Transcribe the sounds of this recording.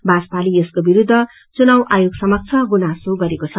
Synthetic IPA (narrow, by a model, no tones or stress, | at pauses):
baspaliʌskobiɾud̪ʱːʌ | t͡sunawʔajoɡsʌmʌk̚t͡sʰʌɡunasoɡʌɾekot͡sʰʌ